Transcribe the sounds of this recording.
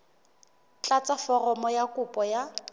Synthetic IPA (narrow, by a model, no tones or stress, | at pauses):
t͡ɬʼat͡sʼafɔrɔmɔjakʼʊpʼɔja